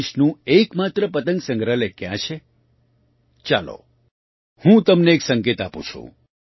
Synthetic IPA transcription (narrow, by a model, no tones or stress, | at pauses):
ʃnũekmat̪ɾəpət̪ə̃ŋɡsə̃ŋɡɾəlekjã̰t͡ʃʰe | t͡ʃalo̰ | hũt̪əmneːksəŋket̪apṵ̃t͡ʃʰṵ̃